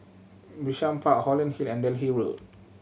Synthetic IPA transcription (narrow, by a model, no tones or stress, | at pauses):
bɹiʃãmpʰaʔhɔlə̃nhilɛ̃ndɛlɦiɹo̰t̚